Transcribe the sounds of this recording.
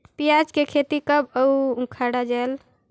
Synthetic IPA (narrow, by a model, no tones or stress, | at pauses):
pijad͡ʒkekʰet̪ikəbəuũkʰaɽad͡ʒael